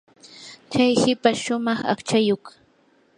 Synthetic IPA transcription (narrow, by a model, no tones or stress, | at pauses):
kajhɪpaʃʊmɑχa̰χt͡ʃajok